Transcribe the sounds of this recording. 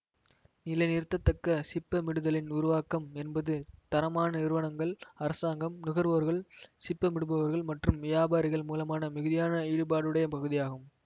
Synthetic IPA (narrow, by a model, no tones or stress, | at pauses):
nɪlɐɪnɪɾɯt̪ːɐt̪ːɐkːɐsɪpːɐmɪɽɯðɐlɪnʊɾʊʋaːkɐmɛnbɐðɯt̪ɐɾɐmaːnɐɪɾɯʋɐnɐŋɡɐɭɐɾɐsaːŋɡɐmnɪɣɐɾʋɐʋɐɾɣɐɭsɪpːɐmɪɽɯbɐʋɐɾɣɐɭmɐʈrɯmʋɪjaːbaːɾɪɣɐɭmuːlɐmaːnɐmɪɣɯðɪjaːnɐiːɽɯpaːɽɯɽɐjɐpɐɣɯðɪjaːɣɯm